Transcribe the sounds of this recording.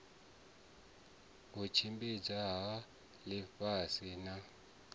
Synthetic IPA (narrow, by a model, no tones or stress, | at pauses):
kut͡ʃʰimbid͡zaɦa | liɸasina